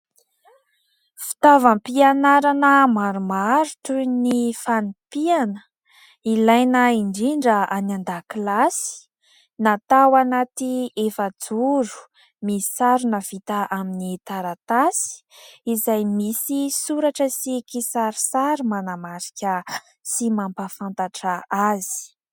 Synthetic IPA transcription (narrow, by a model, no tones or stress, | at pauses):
fi̥t̪avampianaɾanəmaɾumaɾuʈ͡ʂunifanipianə̥ | ilajnəiɳɖ͡ʐiɳɖ͡ʐəanand̪aklasi̥ | nat̪awanat̪iefəd͡zuɾu̥ | mii̥saɾunəv̥it̪aʔaminit̪aɾat̪asi̥izajmisisuɾaʈ͡ʂəsikisaɾisaɾimanamaɾikʲə | simampafant̪aʈ͡ʂaazi̥